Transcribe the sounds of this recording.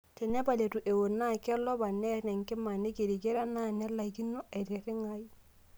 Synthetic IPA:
tɛ˨nɛ˦ba˨le˨tu˨ʔe˨wo˨na˦˨kɛ˦lɔ˦ba˨nɛ˦nɛ˨ŋkɪ˦ma˨nɪ˦ke˨ɾi˨ɡe˦ɾa˦na˦˨nɛ˦la˨i˨ki˦nːo˦a˨ɾe˨ɾɪ˦ŋa˦i˦

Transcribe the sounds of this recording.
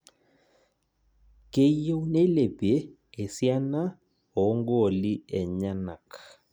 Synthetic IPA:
ke˨je˦wne˦le˨peː˨˦˨ | sja˦na˦ | ɔ˨˦ŋɡo˦˨li˦ɛ˨ɲa˦na˨k

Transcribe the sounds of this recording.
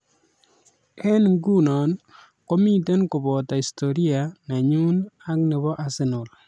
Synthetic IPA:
ɛ˦nɡu˦nɔ˨n | ko˦mi˦te˦nkʊ˨bɔ˨ta˨i˨sto˨ɾi˦a˨na˨ɲu˦na˦knɪ˨βɔ˦ʔa˨sɪ˦nʊ˨l

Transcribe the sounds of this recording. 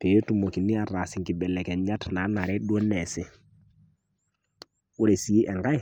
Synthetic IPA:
pe˨jo˦tu˨mo˨ki˨ni˦a˨ɾa˨si˦ŋki˨bɛ˨lɛ˨kɛ˨ɲa˦tna˨˦na˨ɾɛ˦ɗu˦ɔ˦nɛ˨sɪ˨ | u˦ɾe˨si˨i˦ʔɛ˨ŋɡa˦j

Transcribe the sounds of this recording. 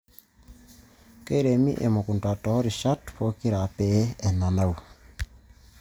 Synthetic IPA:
ke˦ɾe˨mḭ˦ʔḛ˨mo˨ku˨ntwa˨tɔ˨˦ɾi˨ʃa˦tpo˦ki˦ɾa˨pɛ˦ɛ˨na˨na˦u˨

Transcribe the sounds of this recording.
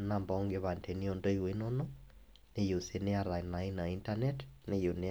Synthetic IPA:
na˨mbɔŋɡeβa˨ntʰe˨ni˦o˦ndo˦i˦wi˦nono˦ | ne˦jo˨se˨ne˦a˨ɾa˨i˨na˨i˦na˨i˦nta˦nɛ˦tne˦jo˨ne˦

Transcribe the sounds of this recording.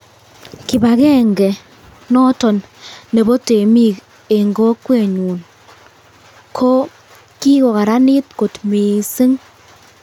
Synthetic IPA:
kɪ˨ba˨kɛ˦ŋɡɛ˨ | nɔ˦tɔ˨nːɛ˨bɔ˦te˨mi˦˨k | e˨ŋɡɔ˦kːwe˦˨ɲu˨n | kʰo˦ | ki˦kɔ˨ka˨ɾa˦nɪ˦tko˨tme˨se˦ŋ

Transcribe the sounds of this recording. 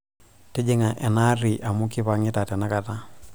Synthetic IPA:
te˦d͡ʒe˦ŋa˨ʔɛ˨na˦ɾi˨ʔa˨mu˦ki˦pa˨ŋi˦ta˨tɛ˨na˦ka˨ta˦

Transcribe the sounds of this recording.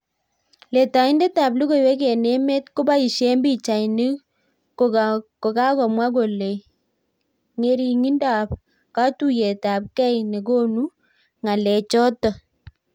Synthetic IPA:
le˨ta˨ɪ˦ndɛ˦ta˨b̚li˦ko˦˨jwɛ˦k̬e˨ne˦me˦tkʊ˦ba˦i˨ʃe˦mbi˦t͡ʃa˨ni˦ | kko˨ka˦kɔ˨mwa˦k̬o˨le˨j | ŋe˨ɾi˨ŋi˦nda˨p̚ | ka˦tu˦je˨ta˨p̚kɛ˦jne˨ko˦nu˦ | ŋa˨lɛ˨t͡ʃɔ˦tɔ˨

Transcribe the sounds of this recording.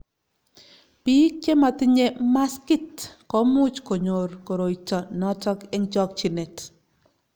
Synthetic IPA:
pi˦k̚t͡ʃe˦ma˨tɪ˦ɲe˦ma˦skɪ˦tkɔ˦mʊ˦t͡ʃko˨ɲo˨ɾko˨ɾo˨i˨tɔ˨nɔ˦tɔ˦ke˦ŋt͡ʃɔ˦k̚t͡ʃi˨ne˨t

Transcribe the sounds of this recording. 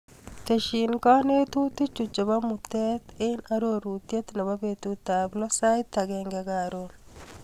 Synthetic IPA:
t̪e˨ʃi˨nka˦ne˦t̪u˦t̪i˦t͡ʃu˨t͡ʃo˨ba˦mu˨t̪e˦t̪ɪ˦na˦ɾo˦ɾu˨t̪je˦t̪na˨ba˦bet̪u˨t̪a˨blɔ˦sa˦jt̪ːa˨ɡɛŋɡɛɡa˨ɾo

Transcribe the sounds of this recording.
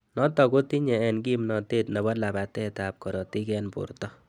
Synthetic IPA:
nɔ˦tɔ˨ko˦ti˦ɲɛ˨ɛ˨nki˦mnɔ˨teː˦tnɔ˨bɔ˦la˨ba˨tɛ˦ta˨p̚kɔ˨ɾɔ˨ti˦kɛnpʊ̰˨rtɔ˦

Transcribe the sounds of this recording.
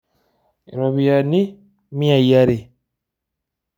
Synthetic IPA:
ḛ˨ɾa˨βi˨ja˨ni˦ | mi˦a˨ija˦ɾe˨

